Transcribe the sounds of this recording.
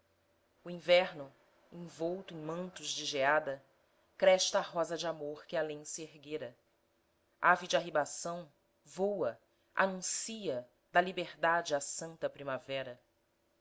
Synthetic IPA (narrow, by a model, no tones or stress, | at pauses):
ʊĩvɛɾnʊ | ẽvowt̪ʊẽj̃mɐ̃nt̪ʊzd͡ʒɪʒead̪ɐ | kɾɛʃt̪ɐːɦɔzɐd͡ʒamoɾkɪalẽj̃sɪeɦɡeɾɐ | avid͡ʒɪaɦibasɐ̃w̃ | vowɐ | a̰nũsiɐ | d̪ɐlibeɾd̪ad͡ʒɪasɐ̃nt̪ɐpɾimavɛɾɐ